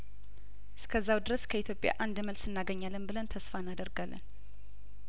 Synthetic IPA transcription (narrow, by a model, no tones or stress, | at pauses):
ʔɨskʰəzːawd̪ɨɾəskʰəit̪ʰjo̞pʼja̰ʔand̪məlsɨnːaɡəɲːalːənbɨlənt̪ʰəsfanːad̪əɾɡalːə̰n